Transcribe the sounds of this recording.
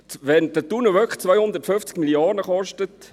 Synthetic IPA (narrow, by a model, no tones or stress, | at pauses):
ʋɛnd̥ətunəʋœkχt͡sʋœjhʊnd̪əɾtføft͡skmiliɑːɾnəχɔʃtət